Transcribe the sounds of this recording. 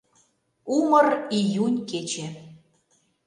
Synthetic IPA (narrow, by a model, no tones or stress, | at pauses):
umərijunʲket͡ɕe